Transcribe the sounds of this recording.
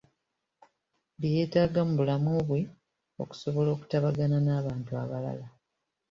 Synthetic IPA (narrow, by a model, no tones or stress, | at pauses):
bije̞ːtaːɡamubulamuβwe | o̞̰ku̥so̞βo̞lo̞ːku̥taβaɡananaːβaːntua̰βala̰la